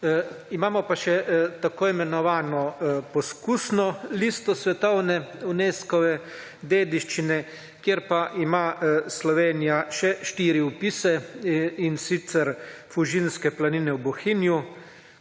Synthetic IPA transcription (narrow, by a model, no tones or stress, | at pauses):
imaːmɔpaʃɛt̪akoːimɛnɔʋaːnɔpɔskuːsnɔlist̪ɔsʋɛt̪ɔwnɛuneːskɔʋɛ | d̪eːd̪iʃt͡ʃinɛ | kjeːɾpaʔimaslɔʋeːnijaʃɛʃt̪iːɾiupisɛinsit̪sɛɾfuʒinskɛplaninɛwbɔxinju